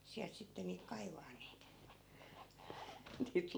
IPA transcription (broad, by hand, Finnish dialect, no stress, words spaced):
siælt sitːe niːk kɑiʋɑːn niːt niːt